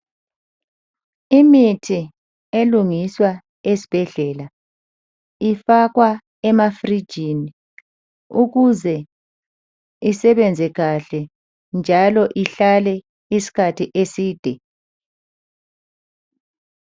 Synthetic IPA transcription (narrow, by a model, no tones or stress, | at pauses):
imitʰi | eluŋiswa | esi̥b̥ʱɛɮɛːla | ifaɣwa | ɛmafrid͡ʒʱini | uɣuzɛ | isɛβɛnd͡zʱɛɣaɬɛ | nd͡ʒʱalɔʔiɬalɛ | isi̥kʰatʰiʔesiːd̥ʱɛ